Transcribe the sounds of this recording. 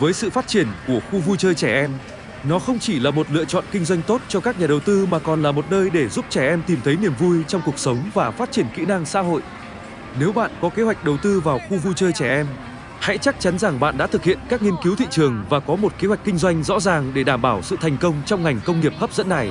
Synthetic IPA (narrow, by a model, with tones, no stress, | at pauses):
vəː˨˦jsɨ̰˧˨faː˦˥t̚t͡ɕi˧˩ənku˧˩əxu˧vu˧jt͡ɕəː˧jt͡ɕɛ˧˩ʔɛ˧m | nɔ˨˦xə˧wŋ͡mt͡ɕi˧˩laː˨˩mo˨˩t̚lɨ̰˧ət͡ɕɔ̰˧˨nkï˧ŋ̟zwa˧jŋ̟t̪o˦˥t̚t͡ɕɔ˧kaː˦˥k̚ɲaː˨˩ɗə˨˩wt̪ɨ˧maː˨˩kɔ˨˩nlaː˨˩mo˨˩t̚nəː˧jɗe˧˩zu˦˥p̚t͡ɕɛ˧˩ʔɛ˧mt̪i˨˩mt̪ʰə˨˦jni˨˩əmvu˧jt͡ɕɔ˧wŋ͡mku˨˩ək̚sə˨˦wŋ͡mvaː˨˩faː˦˥t̚t͡ɕi˧˩ənkḭ˧˥na˧ŋsa̰ː˧˥ɦo̰˧˨jʔ | ne˨˦wɓa̰ː˧˨nkɔ˨˦ke˨˦hwa˨˩jk̟̚ɗə˨˩wt̪ɨ˧vaː˨˩wxu˧vu˧jt͡ɕəː˧jt͡ɕɛ˧˩ʔɛ˧m | ha̰˧˥jt͡ɕa˦˥k̚t͡ɕa˨˦nza˨˩ŋɓa̰ː˧˨nɗa̰˧˥t̪ɨ˨k̚hḭ˧˨ənkaː˦˥k̚ŋi˧ənki˨˦wt̪ʰḭ˧˨t͡ɕɨ˨˩əŋvaː˨˩kɔ˨˦mo˨˩t̚ke˨˦hwa˨˩jk̟kï˧ŋ̟zwa˧jŋ̟zɔ̰˧˥zaː˨˩ŋɗe˧˩ɗaː˧˩mɓaː˧˩wsɨ̰˧˨t̪ʰa˨˩jŋ̟kə˧wŋ͡mt͡ɕɔ˧wŋ͡mŋa˨˩jŋ̟kə˧wŋ͡mŋi˨˩əp̚xə˦˥p̚zə̰˧˥nːa˨˩j